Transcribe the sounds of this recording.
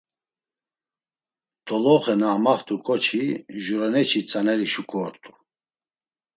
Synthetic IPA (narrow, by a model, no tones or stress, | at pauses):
t̪ʰʼɔlɔχɛnaːmaχt̪ʼukʼɔt͡ʃʰiʒuɾanɛt͡ʃʰit͡sʼanɛɾiʃukʼɔːɾt̪ʼu̥